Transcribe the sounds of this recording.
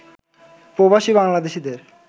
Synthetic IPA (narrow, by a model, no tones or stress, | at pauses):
pɾobaʃibaŋlad̪eʃid̪eɾ